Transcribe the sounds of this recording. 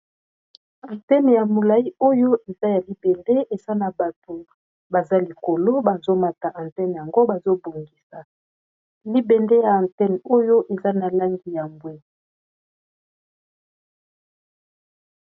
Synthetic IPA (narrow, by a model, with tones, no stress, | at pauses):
a˨ntɛ˦n˨ja˨mo˨la˨i˦o˦jo˦ʔe˨za˦ja˨li˦bɛ˨nde˦ʔe˨za˦na˨ba˨to˨ | ba˨za˦li˨ko˨lo˦ba˨zo˦ma˨ta˨ʔã˨ntɛ˦n˨ja˨ŋɡo˦ba˨zo˦bo˨ŋɡi˨sa˨ | li˦bɛ˨nde˦ja˨ã˨ntɛ˦n˨o˦jo˦ʔe˨za˦na˨la˦ŋɡi˨ja˨mbwe˦